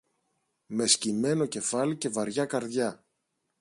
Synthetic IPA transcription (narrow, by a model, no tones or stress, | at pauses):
me̞scime̞no̞ce̞fɐlice̞vɐɾʝɐkɐɾðʝɐ